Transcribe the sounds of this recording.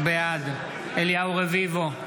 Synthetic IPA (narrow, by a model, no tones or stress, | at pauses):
bead̪ | eliauʁevivo